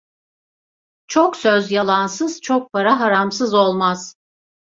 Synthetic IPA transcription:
t͡ʃʰoksøzjalˠansɯz̥t͡ʃʰok̚pʰaɾaɦaɾamsɯzo̞lˠmaz̥

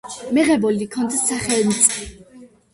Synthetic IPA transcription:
mɛʁɛbɔlikʰɔnt̪saχɛlnt̪sʼ

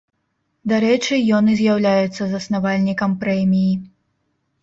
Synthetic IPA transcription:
d̪aɾɛt͡ʂɨjɔnɨzʲjawlʲajut̪sːɐzɐsnavalʲnʲikɐmpɾɛmʲiji

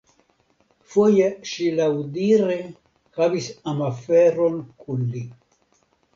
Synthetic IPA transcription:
fojeʃilawdiɾe | havisamafeɾonkʰunli

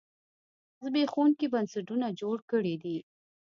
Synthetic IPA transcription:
zbexonkibansaʈunad͡ʒoɽkəɽid̪i

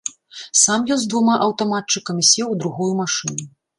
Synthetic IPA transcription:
samjɔnzd̪vumaʔɐwt̪amat̪̚t͡ʂɨkɐmʲisʲɛwd̪ɾuɣɔjumaʂɨnu

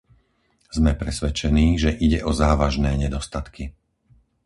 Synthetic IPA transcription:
zmɛpɾɛsʋɛt͡ʃɛniːʒɛʔiɟɛʔɔzaːʋaʒnɛːɲɛd̪ɔst̪at̪ki

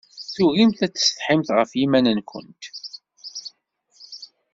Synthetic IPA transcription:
θʊʁimθæt͡sːə̥sθħɪmθʁəfjimænənkʷʊ̰nt̪

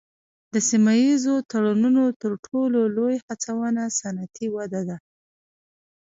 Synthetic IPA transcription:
d̪əsimajizot̪aɽanunot̪əɾʈʰololojhat͡sawənasanat̪ʰiwad̪ad̪a

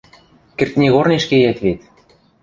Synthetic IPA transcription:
kĕrt̪̚nʲeɣorneʃkejæt̪βet̪

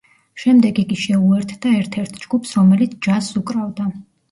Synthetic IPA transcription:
ʃɛmd̪ɛɡikʼiʃɛuɛɾt̪ʰd̪aɛɾt̪ʰɛɾt̪ʰd͡ʒɡupʰsɾɔmɛlit̪sʰd͡ʒasukʼɾavd̪a

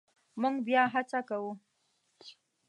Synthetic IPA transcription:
mʊŋbijaɦat͡ʃakawo

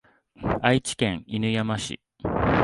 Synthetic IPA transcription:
ait͡ɕi̥kẽ̞ŋ̃inɯ̟jamaɕḭ

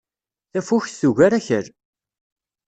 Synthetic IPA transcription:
θæfuçθuʝæɾæçəɾ

